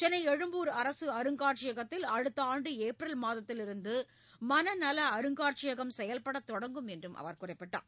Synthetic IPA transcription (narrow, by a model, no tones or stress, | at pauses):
t͡ʃɛnɐɪɛɻɯmbuːɾɐɾɐsɯɐɾɯŋɡaːʈ̚t͡ʃɪjɐɣɐt̪ːɪlɐɻɯt̪ːɐaːɳɖɯeːpɾɐlmaːðɐt̪ːɪlɪɾɯnd̪ɯ | mɐnɐnɐlɐːɾɯŋɡaːɾt͡ʃɪjɐɣɐmsɛjɐlpɐɽɐt̪ːɔɽɐŋɡɯmɛndrɯmʔɐ̰ʋɐɾkʊrɐɪpːɪʈːa̰ː